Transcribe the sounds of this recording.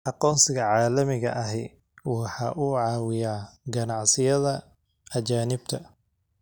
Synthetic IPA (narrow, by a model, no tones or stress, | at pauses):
ʔɑqɔːnsɪɣɐʕɑːlɐmɪɣɐʔɐɦɛ̰ | wɑħɑ̰ːʔuːʕɑːwɪjaːɡɐnɑʕsɪjɐðɐ | ʔɐt͡ʃaːnɪb̚t̪ʰɐ